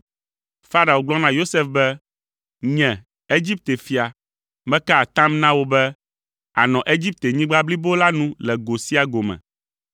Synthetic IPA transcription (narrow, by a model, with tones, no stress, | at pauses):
fa˦ɾa˨wo˨ɡ͡blɔ˦nã˦jo˦se˦fbɛ˦ | ɲɛ̃˨ | e˦d͡ʑi˦p̚t̪e˨fi˨a˨ | mɛ̃˦ka˦a˨t̪ã˦mnã˦wo˦bɛ˦ | a̰˨nɔ̃˨ʔe˦d͡ʑi˦p̚t̪e˨ɲĩ˦ɡ͡ba˦bli˦bo˦la˦nũ˦lɛ˨ɡo˨si˦a˨ɡo˨mɛ̰̃˨